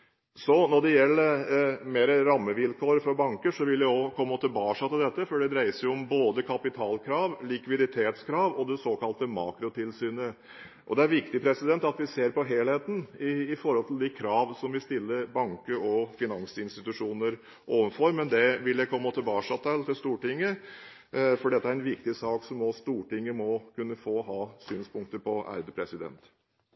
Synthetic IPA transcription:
sɔnɔɖɛjɛlːəmeːɾəɾɑmːəʋɪlkʰoːɾfɔɾbɑŋkəʂɔʋɪld̪ɛɔkʰɔmːəɔt̪ʰɪlbɑːʂɑt̪ɪld̪ɛt̪ːəfɔɖɛd̪ɾæɪəsəjʊɔmboːd̪əkʰɑpɪt̪ʰɑːlkʰɾɑːʋlɪkʋɪd̪ɪt̪ʰeːt̪skʰɾɑːʋɔd̪ɛsoːkɑlt̪əmɑ̰ːkɾʊt̪ʰɪlsyːnə | ʔɔ̰d̪ɛæɾʋɪkt̪ɪpʰɾɛsɪd̪ɛnt̪ɑt̪ʋɪseːɾpɔɦeːlheːt̪n̩ɪːfɔɾhɔlt̪ʰl̩d̪ɪkʰɾɑːʋsɔmʋɪst̪ɪlːəbɑŋkəɔfɪnɑŋsɪnst̪ɪt̪ʉʂuːnəɾ | ʔoːʋənfɔɾmɛnd̪ɛʋɪljæpʰɔɛnmːɔt̪ːəbɑːʂɑt̪ʰælt̪ɪlst̪uːʈɪŋːə | fɔɖɛt̪ːəæɾɛnʋɪk̚t̪ɪsɑːksɔmɔst̪uːʈɪŋːəmɔkʉnːəfoːɦɑːsyːnspʰʊŋk̚t̪əɾpʰɔʔæ̰ɾd̪əpʰɾɛsɪd̪ɛ̰nt̪

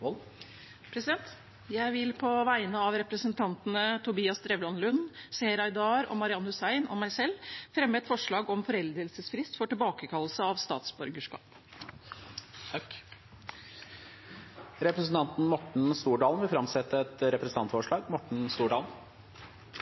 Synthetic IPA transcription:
ɔ | pʰɾɛsɪd̪ɛnt̪ | jæɪʋɪlpʰɔʋæɪnəɑʋɾɛpɾəsənt̪ʰɑnt̪nət̪ʰʊbiːɑst̪ɾɛʋlɔnlʉnseːɾɑɪd̪ɑːɾɔ̰mɑɾɪɑnʊsæɪnɔ̰mæɪsɛlːfɾɛmːəɛt̪fɔʂɭɑːɡɔmfɔɾɛld̪ɾəlsəsfɾɪst̪fɔʈɪlbɑːkəkʰɑlːəsəɑʋst̪ɑ̰ːt̪sbɔɾɡəʂkɑ̰ːp | ɾɛpɾəsn̩t̪ɑnt̪n̩mɔʈɳ̩st̪uːɖɑːlnʋɪlfɾɑmsɛt̪ːəɛt̪ɾɛpɾəsn̩t̪ɑnt̪fɔʂɭɑːɡmɔʈɳ̩st̪uːɖɑːln̩

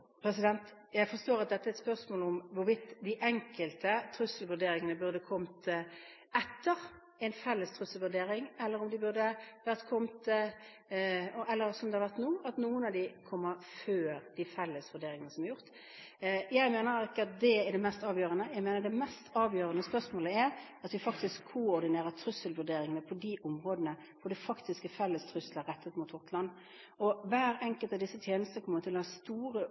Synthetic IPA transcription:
pʰɾɛs̬ɪd̪ɛnt̪ | jæɪfɔʂt̪oːɾɑt̪̚d̪ɛt̪ːəæɾɛt̪spœʁsmoːlɔmʋʊɾʋɪt̪ːd̪ɪʔɛŋkəlt̪ət̪ʰɾʉsəlʋʉɾd̪eːɾɪŋənəbʉʁd̪əkʰɔmt̪ | ɛt̪ːəɾ | ɛɪnfɛlːəst̪ʰɾʉsəlʋʉɾɖ̪eːɾɪŋɛlːəɾʊmd̪ɪbʉʁd̪əʋæɾʁt̪kʰɔmt̪ | ɔʔɛlːəɾsɔmd̪ɛhɑʋæɾʁt̪nuːɑt̪nuːənɑʋd̪ɪkʰɔmːəɾføːɾd̪̥ɪfɛlːəsʋʉɖeːɾɪŋənəsɔmæɑɾjʊʁt̪ | jæɪmeːnəɾɪkːəɑt̪̚d̪ɛɛɖ̪ɛmɛst̪ɑːʋjøːʁənəjæɪmeːnəd̪ɛmɛst̪ɑːʋjøːʁənəspœʁsmoːləæɾɑt̪ʋɪfɑkt̪ɪskʰːʊɔɾd̪ɪneːɾəɾt̪ʰɾʉsəlʋʉɾɖeːɾɪŋənəpʰɔd̪iʔʊmʁoːd̪ənə | ʋʊd̪ɛfɑkt̪ɪskəfɛlːəst̪ʰɾʉsləɾɛt̪ʰːət̪muːt̪ʊt̪lɑnː | ɔʋæːɾɛŋkəlt̪ɑʋd̪ɪsːət̪ʰjeːnəst̪nəkʰɔmːəɾt̪ʰɪlæst̪uːʁə

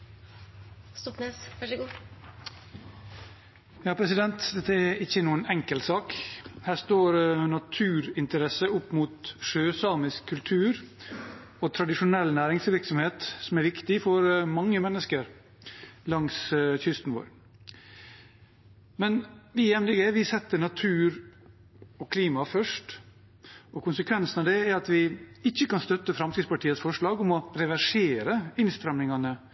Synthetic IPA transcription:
st̪ɔpneːsʋɑɡuː | jɑːpʰɾɛsɪd̪ɛnt̪d̪ɛt̪ːəæɾɪçːənuːənɛŋkəlt̪sɑːkhæːʂt̪oːɾnɑt̪ʰʉːɾɪnt̪əɾɛsəʊpːmuːt̪ʂøːsɑːmɪskʰːʉlt̪ʰʉːɾ | ot̪ʰɾɑd̪ɪʂʊnɛlːnæːɾɪŋsʋɪɾksɔmheːt̪sɔmæɾʋɪkt̪ɪfɔɾmɑŋːəmɛnːəskəɾ | lɑŋsçʏst̪n̩ʋo̰ːɾ | mɛnʋɪjɛmnɪɡəʋɪsɛt̪ːənɑt̪ʰʉːɾ | ɔkʰliːmɑfœʂʈ | ɔkʊnsəkʰʋɛnsn̩ɑʋd̪ɛæɾɑt̪ʋɪɪçːəkɑnst̪œt̪ːəfɾɑmsid̪spɑʈʰiːət̪sfɔʂɭɑːɡɔmɔɾɛʋæʂeːɾəɪnst̪ɾɛmnɪŋɑnə

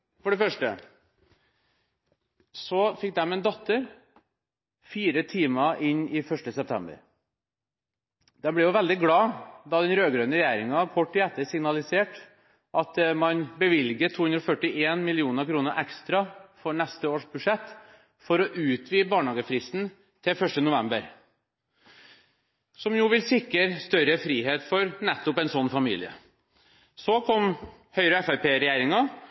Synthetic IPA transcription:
fɔɖɛfœʂʈə̰ | sɔfɪk̚ːd̪ɛmɛːnd̪ɔt̪ːəɾ | fiːɾət̪ʰiːməʔɪnɪfœʂʈəsɛp̚t̪ʰɛ̰mbə̰ɾ | d̪ɛmbɽɛjʊʋɛld̪ɪɡɽɑːd̪ɑd̪ɛnɾøːɡɾøːnəɾɛjæːɾɪŋɑkʰɔʈːɪɛt̪ːəɾsɪŋnɑlɪseːʈ | ʔɑt̪mɑnbəʋɪlɡəʈʰuːhʉnd̪ɾɔfœʈːɪʔeːnmɪlɪuːnəɾkʰɾuːnəɾʔɛkst̪ɾɑfɔɾɳɛst̪əoːʂbʉd̪ʂɛt̪ː | fɔɾɔʔʉːt̪ʰʋiːbɑːɳhɑːɡəfɾɪst̪n̩ | t̪ʰɪfœʂʈənʊʋɛmbəɾ | sɔmjuːʋɪlsɪkːəɾst̪œɾəfɾiːɦeːt̪fɔɾnɛt̪ːʊpɛnsɔnːfɑmḭːlɪə̰ | sɔkʰɔm | hœʏɾəɛfæpʰeːɾɛjæːɾɪŋɑ

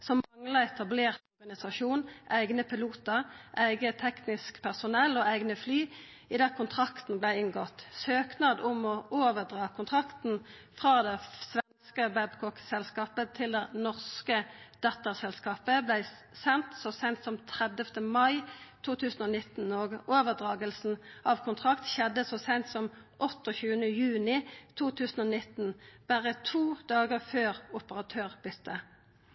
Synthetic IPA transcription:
sɔmɑŋlɑɛt̪ʰɑbleːʁt̪ɔʁɡɑnɪsɑʃuːnʔæɪɡnəpʰɪluːt̪əʁʔæɪɡət̪ʰɛknɪskpʰæʁsʊnɛlːoːæɪɡnəflyː | ɪd̪æːʁkʰʊnt̪ʰʁɑkt̪n̩blæɪɪŋɡɔt̪søːknɑːd̪ʊmɔʔoːʋəʁd̪ʁɑːkʰʊnt̪ʰʁɑkt̪n̩fʁɑːd̪ɛsʋɛnskəbæbkʰɔksɛlskɑːpət̪ʰɪld̪ɛnɔʁskəd̪̥ɑt̪əʁsɛlskɑːpəblæɪ | sɛnt̪sɔsɛnt̪sɔmt̪ʰʁɛd̪əft̪əmɑɪt̪ʰuːt̪ʰʉːsn̩ɔːnɪt̪n̩oːɡoːʋəʁd̪ʁɑːɡəlsn̩ʔɑʋkʰʊnt̪ʰʁɑkt̪ʃɛd̪ːəsoːsɛɪnt̪sɔm | ʔɔt̪ːɔçʉːənəjʉːnɪt̪ʰuːt̪ʰʉːsn̩oːnɪt̪n̩b̥æʁət̪ʰuːd̪ɑːɡəʁføːʁʊpəʁɑt̪ʰøːʁb̥ʏt̪ʰːə

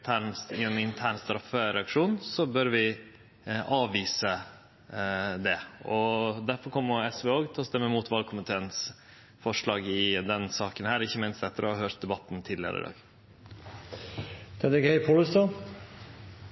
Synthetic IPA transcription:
t̪ʰæːɳɪɛnɪnt̪ʰæːɳst̪ɑɾɑfəɾɛɑkʂuːnsɔbœɾʋɪ | ʔɑːʋiːsə | d̪ɛɔd̪æɾfɔɾkʰɔmːəɛsʋɛoːɡt̪ʰɛlɔst̪ɛmːəmuːt̪ʋɑlkʰʊmɪt̪ʰeːəns | fɔʂɭɑːɡɪd̪ɛnsɑːkənhæːɾɪçːəmɪnst̪ɛt̪ːəɾɔhɑɾhøːɾt̪̚d̪ɛbɑt̪ːn̩t̪ʰɪd̪lɪə̰ɾʔɪ̰d̪ɑ̰ːɡ | d̪̥ɛd̪ɛɡɛɪpʰɔlʉst̪ɑ

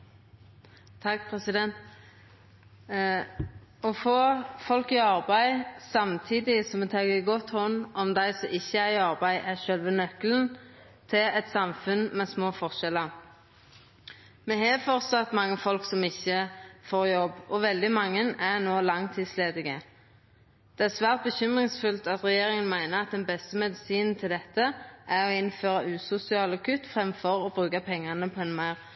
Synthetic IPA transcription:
t̪ʰːɑkpʰʁɛsɪd̪ɛnt̪ | ɔfoːfɔlkɪɑʁbæɪsɑmt̪ʰiːd̪ɪsɔmɛt̪ʰɑːɡəɡɔt̪hɔnːʔɔmd̪æɪsɔʔɪçːəæʁɪɑʁbæɪʔæʃœlʋənœkln | t̪ʰɪlɛt̪sɑmfʉnmɛsmoːfɔʁʃɛlə | mɛɦɛfɔʁt̪sɑt̪mɑŋːəfɔlksɔmɪçːəfoːʁjɔbɔʋɛld̪ɪmɑŋːənæʁnoːlɑŋt̪ʰiːd̪sleːd̪ɪɡə | d̪̥ɛæʁsʋæːʁt̪̚bəçʏmʁɪŋsfʉlt̪ɑt̪ʁɛjeːʁɪŋənmæɪnəʁɑt̪̚d̪ɛnbɛst̪əmɛd̪ɪsiːnn̩t̪ʰɪld̪ɛt̪ːəʔæʁɔɪnføːʁɑʔʉːsʊsɪɑːlɑkʰʉt̪ːfʁɛmfɔʁɔbʁʉːkɑpʰɛŋːɑnəpʰɔɛnmæɪʁ

